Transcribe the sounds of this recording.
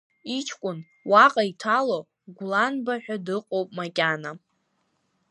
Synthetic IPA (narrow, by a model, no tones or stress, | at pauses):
it͡ʃʰkʷʼʊn | waqʼaitʰalo | ɡʷlanbaħᶣadɨqʼowpʼmakʲʼana